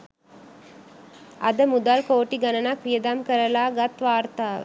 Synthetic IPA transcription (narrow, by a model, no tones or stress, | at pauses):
ɐd̪ɐmud̪aːlkoːʈːiɡɐnɐnakʋijɐd̪aːmkɐɾɐlaːɡɐt̪ʋaːɾt̪aː